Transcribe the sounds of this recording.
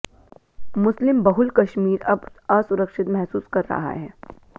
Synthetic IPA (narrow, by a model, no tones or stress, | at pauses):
mʊslɪmbɐɦʊlkɐʃmiːɾɐbaːsʊɾəkʃɪt̪mɛɦsuːskɐɾːɐ̰ɦa̰ɦɛː